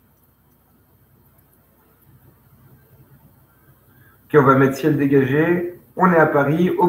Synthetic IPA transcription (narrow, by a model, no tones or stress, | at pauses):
kʲɔ̃vamɛt̪sjɛld̪eɡaʒeɔ̃nɛapaʁio